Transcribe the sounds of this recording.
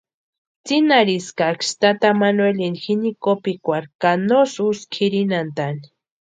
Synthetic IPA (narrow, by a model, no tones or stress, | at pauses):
t͡sinaɾiskakst̪at̪amanwelinxinikopikʷaɾkanosuskʰiɾinant̪ani̥